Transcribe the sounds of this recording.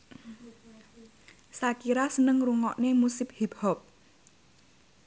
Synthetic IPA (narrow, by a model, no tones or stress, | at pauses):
sakiɾasənəŋruŋɔʔnemusɪp̚hibhɔp̚